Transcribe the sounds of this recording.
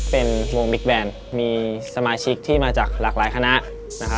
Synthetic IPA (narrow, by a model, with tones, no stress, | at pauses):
pe˧nwo˧ŋbi˦˥k̚bɛː˧n | miː˧sa˧maː˧t͡ɕʰi˦˥k̚t̪ʰiː˥˩maː˧t͡ɕaː˨˩k̚laː˨˩k̚laː˩˦jkʰa˧na˦˥ʔ | na˦˥kʰa˦˥